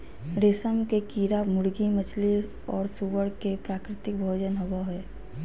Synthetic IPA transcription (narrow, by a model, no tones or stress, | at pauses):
ɾɪsəmkekiːɾamʊɽɡimət͡ʃʰli | ɔːɾsuʋəɽkepɾaːkɾɪt̪ɪk̚bʱoːd͡ʒənɦəbaɦɛː